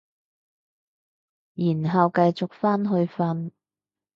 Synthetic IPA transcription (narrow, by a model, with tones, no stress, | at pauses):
jiː˨˩nɦɐ˨wkɐ˧jt͡sʊ˨k̚faː˥nɦɵ˧ɥfɐ˧n